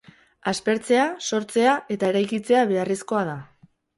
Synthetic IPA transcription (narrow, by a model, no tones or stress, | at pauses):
aspe̞ɾt͡se̞aso̞ɾt͡se̞aʔe̞t̪ae̞ɾajkit͡se̞aβe̞aresko̞að̞a